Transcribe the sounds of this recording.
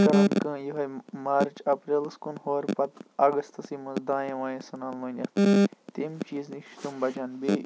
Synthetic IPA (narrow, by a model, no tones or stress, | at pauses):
kɐɾɐnkɐ̃ːjiɦɐjmaːɾt͡ʃɐpɾeːlɨskunhoːɾpɐt̪ɐɡɐst̪ɐsiːmɐ̃nzd̪ãːjẽʋãːjẽsɐnaːlmɐ̃ːnʲɐt̪t̪emt͡ʃiːznikʃt̪umbɐt͡ʃaːnbe